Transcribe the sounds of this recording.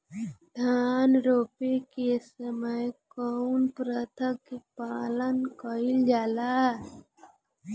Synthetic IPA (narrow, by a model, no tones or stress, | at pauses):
d̪ʱaːnɾoːpekesəməjkɔnpɾət̪ʰəkːepaːlənkəild͡ʒaːla